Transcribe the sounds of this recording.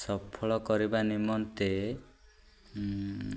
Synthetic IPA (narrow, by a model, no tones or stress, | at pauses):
sɔpʰɔɭɔkɔɾibanimɔnt̪e